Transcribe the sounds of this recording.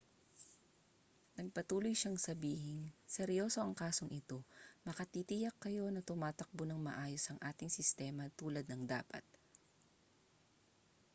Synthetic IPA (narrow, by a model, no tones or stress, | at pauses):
nɐɡ̚pɐt̪uːlojʃaŋsɐbiːhɪŋsɛɾjo̞ːso̞ʔɐŋkaːso̞ŋʔɪt̪o̞mɐkɐt̪it̪ijɐkːɐjo̞nɐt̪ʊmaːt̪ɐk̚bonɐŋmɐ̰ʔaːjosʔɐŋʔaːt̪ɪŋsɪst̪ɛːmɐt̪uːlɐd̪̚nɐŋd̪a̰ːpɐ̰t̪̚